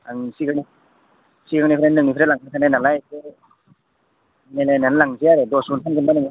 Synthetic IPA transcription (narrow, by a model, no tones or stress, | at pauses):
aŋsiɡɯŋni | siɡɯŋnipʰɾenɯŋnipʰɾelaŋkʰatʰanajnalajke | nelenanlaŋziaɾedɔsuntʰanɡɯnbanɯŋ